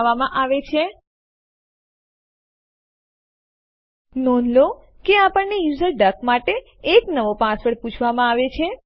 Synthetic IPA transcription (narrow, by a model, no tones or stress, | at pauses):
ʋamãʔaʋet͡ʃʰe | nɔnlo | keapəɳnejuzəɾɖəkmaʈeː | knəʋopãsʋəɽput͡ʃʰʋamãaʋet͡ʃʰe